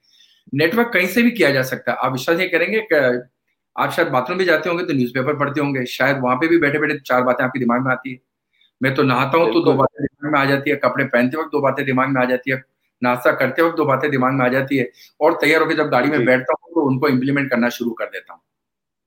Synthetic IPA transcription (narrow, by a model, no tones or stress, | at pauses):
neːʈʋəɾkːɐɦĩsebʱikijad͡ʒaːsɐk̚t̪aɦɛʔa̰ːpʋɪʃwaːsjekɛɦɾẽːŋɡek | a̰ːpʃaːjəd̪baːt̪õbʱid͡ʒaːt̪eɦõːŋɡet̪onjuːzpeːpəɾpɐɽt̪eɦõːŋɡeːʃaːjəd̪ʋɐɦãpebʱibɛːʈʰebɛːʈʰẽt̪ot͡ʃaːɾbaːt̪ẽaːp̚kid̪ɪmaːɡ̚mẽaːt̪iɦɛː | mɛ̃ːt̪onɐɦaːt̪aɦũt̪od̪oːbaːt̪ẽd̪ɪmaːɡmẽaːd͡ʒaːt̪iɦɛkɐpɽepɛ̃ːnt̪̬eʋɐk̚d̪oːbaːt̪ẽd̪ɪmaːɡmẽaːd͡ʒaːt̪iɦɛ | naːst̪akɐɾt̪eɦɛɐd̪oːbaːt̪ẽd̪ɪmaːɡmẽaːd͡ʒaːt̪iɦɛːɔːɾt̪ɐjːaːɾɦoːked͡ʒɐb̚ɡaːɽimẽbɛːʈʰt̪aɦũt̪oʊnkoɪ̃mplimɛ̃ɳʈ̚kɐɾnaʃʊɾukɐɾd̪eːt̪aɦũː